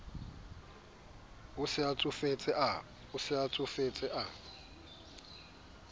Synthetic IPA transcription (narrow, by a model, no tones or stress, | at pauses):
ʊsɪat͡sʼʊfet͡sʼɪa | ʊsɪat͡sʼʊfet͡sʼɪʔa